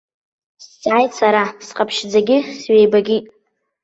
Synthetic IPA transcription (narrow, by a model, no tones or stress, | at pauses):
st͡sʼʕajsʰaɾasqʼapʰʃd͡zaɡʲɪsɥejbaɡʲi